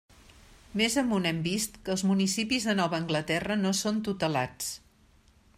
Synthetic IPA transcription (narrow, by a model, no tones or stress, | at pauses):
mezəmunɛmbist̪kəːlˠzmunisipizðənɔβəːŋɡlət̪ɛrənosont̪ut̪əla̰t͡s